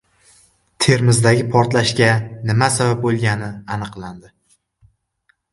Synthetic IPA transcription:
t̪ʰe̞ɾmɪzd̪aɡʲɪpʰɒɾt̪laʃkʲanɪmasabap̚bolˠɡʲanɪanɨqlˠand̪ɪ

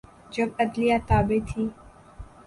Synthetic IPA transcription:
d͡ʒɐbəd̪lijat̪aːbet̪ʰiː

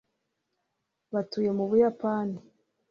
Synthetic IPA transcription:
βatuːje̞muβujapaːni

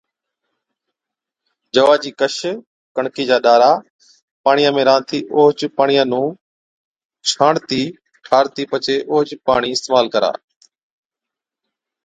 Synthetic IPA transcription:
d͡ʒəʋaːd͡ʒiːkəʃ | kəɳkiːd͡ʒaːɗaːɾaː | paːɳijãːmẽːɾãːnt̪ʰiːʔoːɦt͡ʃpaːɳijãːnũː | t͡ʃʰaːɽt̪iː | ʈʰaːɾt̪iːpət͡ʃeːʔoːɦt͡ʃpaːɳiːɪst̪eːmaːlkəɾa̰ː

